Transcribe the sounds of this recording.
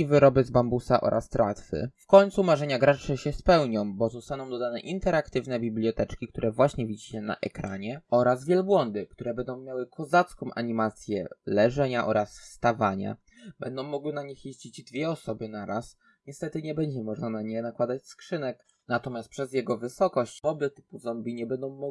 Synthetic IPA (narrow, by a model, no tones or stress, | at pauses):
ivɘɾɔbɘzbambusaʔɔ̰ɾʔast̪ɾa̰t̪fɘ̰fkɔɲʲt̪sumaʐɛɲaɡɾat͡ʂɛɕɛspɛwɲɔ̃w̃bɔzɔst̪anɔ̃w̃d̪ɔd̪anɛʔint̪ɛɾakt̪ɘvnɛbʲiblʲijɔt̪ɛt͡ʂkʲikt̪uɾʔɛvwaɕɲɛvʲid͡ʑiɕɛna̰ʔɛ̰kɾa̰ɲɛɔɾazvʲjɛlbwɔnd̪ɘkt̪uɾɛbɛnd̪ɔ̃w̃mʲjawɘkʰɔzat̪skɔ̃w̃ʔa̰ɲimat̪sʲjɛ̰lɛʐɛɲaʔɔɾʔasfst̪avaɲa̰ | b̥ɛnd̪ɔ̃w̃ːɔɡwɘnaɲixjeʑd͡ʑid͡ʑd̪vʲjɛɔsɔbɘnaɾas | ɲɛst̪ɛt̪ɘɲɛbɛɲd͡ʑɛmɔʐnanaɲɛnakwad̪at͡ɕskʂɘnɛk | nat̪ɔmʲjast̪̚pʂɛzjɛɡɔvɘsɔkɔɕt͡ɕɔbɘt̪ɘ̥puzɔmbʲiɲɛbɛnd̪ɔ̃w̃mɔ